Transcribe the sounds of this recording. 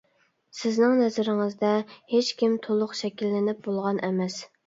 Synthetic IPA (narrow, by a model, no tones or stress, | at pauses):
sɪznɪŋnɛzɪɾɪŋɨzd̪ɛhet͡ʃkʲimt̪ʰolˠʊqʃɛkʲilːɪnɪp̚bolˠʁɑnʔɛmɛs